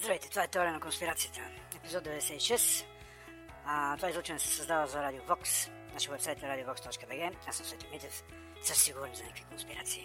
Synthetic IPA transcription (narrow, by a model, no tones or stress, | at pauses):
zd̪ɾɐvɛjt̪ɛ̥t̪ovaɛt̪ɛɔɾiənɐkonspiɾat̪sijət̪ə̥ | ɛpizɔd̪̚d̪ɛvɛd̪ɛsɛiʃɛst̪ | t̪ovaizlˠut͡ʃɛnɛsɛ̥sɐzd̪avəzɐɾad̪iovɔks | naʃvɛpsajt̪ɐɾad̪iovɔkst̪ɔt͡ʃkəbɛɡɛasmsvɛt̪omit̪ɛf | səʃsiɡuɾnʲizɐnakvikonspiɾa̰t̪siː